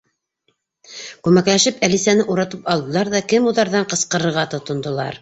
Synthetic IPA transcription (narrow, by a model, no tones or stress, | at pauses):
kʉmæklæʃɘpælisænɘʔuɾɑt̪ɤpɑlˠd̪ɤ̆lˠɑɾðɑkɘmuðɑɾðɑɴqɤ̆sqɤ̆ɾɤ̆ɾʁɑt̪ŏt̪ŏnd̪ŏlˠɑ̰ɾ